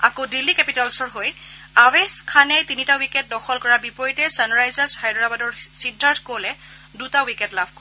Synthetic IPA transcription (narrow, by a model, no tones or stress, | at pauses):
akodilːikɛpitalsɔɹɦoj | awɛskʰanɛjtinitawikɛt̚dɔxʰɔlkɔɹabipɔjitɛsanɔɹajzashajdɹabadɔɹsidʱːantʰkolɛ | dutawikɛtlabʱkɔ